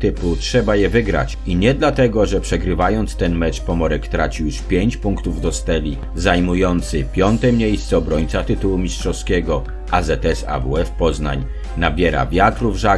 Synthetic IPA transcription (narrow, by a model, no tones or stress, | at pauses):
t̪ɘputʂɛbajɛvɘɡɾa̰t͡ɕ | iɲɛd̪lat̪ɛɡɔʐɛpʂɛɡɾɘvajɔnt̪st̪ɛnmɛt͡ʂpɔmɔɾɛkt̪ɾat͡ɕijuʂpʲjeɲt͡ɕpuŋkt̪uvd̪ɔst̪ɛlʲi | zajmujɔnt̪sɘpʲjɔnt̪ɛmɲejst̪sɛɔbɾɔɲt̪sat̪ɘt̪uwumʲisʂtʂɔskʲɛɡɔ | ʔazɛt̪ɛsa̰vṵɛfpɔzna̰ɲ | nabʲjɛɾa̰vʲjat̪ɾuvʐa